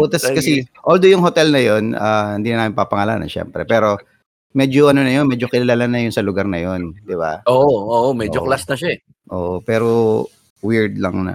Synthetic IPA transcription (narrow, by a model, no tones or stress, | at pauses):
ot̪ɐskɐsɛʔold̪ojʊŋɦot̪ɛlnɐjonahɪnd̪inɐnaːmɪnpapɐŋaːla̰ːnɐ̰nʃɛ̰mpɾɛ̰pɛːɾo̞ | mɛːd͡ʒoʔɐnonɐjonmɛd͡ʒokɪlɐlalanɐjʊnsɐlʊɡaɾnɐjo̞nd̪ɪba̰ʔoːʔooːʔomɛːd͡ʒoklasnɐʃaɛ | ʔoːʔopɛːɾo | wiɹd̪lɐŋnɐ̰